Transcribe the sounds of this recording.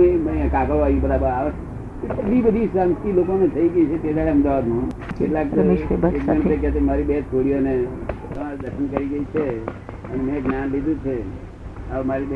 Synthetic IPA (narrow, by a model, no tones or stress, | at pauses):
eməãkakəʋaĩbəɾabəɾaʋəs | k̪ebəd̪ʱibəd̪ʱisant̪ilokonẽt̪ʰəiɡəit͡ʃʰet̪ed̪aɽeəmd̪aʋad̪nũnkeʈlakek̚əɳ̃pekɛt̪emaɾibet̪̚koɽijonet̪əmaɾid̪əkʰənkəɾiɡəit͡ʃʰe | ənemẽɡnãnlid̪ut͡ʃʰe | əmaɾib